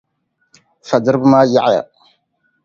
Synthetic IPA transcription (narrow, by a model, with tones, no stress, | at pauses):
fa˨də˦ɾbma˦ja˦ʔja̰˨